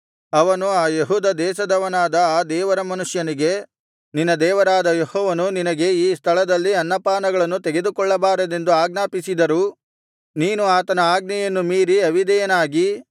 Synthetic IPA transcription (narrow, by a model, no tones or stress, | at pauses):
ɐʋɐnuaːjeɦuːd̪ɐd̪ɛːʃɐd̪ɐʋɐnaːd̪ɐaːd̪ɛːʋɐɾɐmɐnuʂjɐniɡe̞ | ninːɐd̪ɛːʋɐɾaːd̪ɐjehɔːʋɐnuninɐɡe̞iːst̪ʰɐɭɐd̪ɐlːiɐnːɐpaːnɐɡɐɭɐnːut̪eɡe̞d̪ukɔɭːɐbaːɾɐd̪e̞nd̪uaːɡnaːpisid̪ɐɾu | niːnuaːt̪ɐnɐaːɡ̚nɛjɐnːumiːɾiɐʋid̪ɛjɐnaːɡi